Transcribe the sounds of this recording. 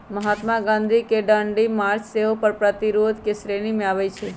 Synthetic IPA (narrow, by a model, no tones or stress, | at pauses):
məɦat̪maɡãnd̪ʱikeɖaɳɖimaɾt͡ʃseɦopəɾpɾət̪iɾod̪ʱkesɾeñimẽaʋet͡ʃʰe